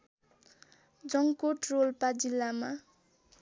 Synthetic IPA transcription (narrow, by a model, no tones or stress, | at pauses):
d͡zʌŋkoʈrolpad͡zilːama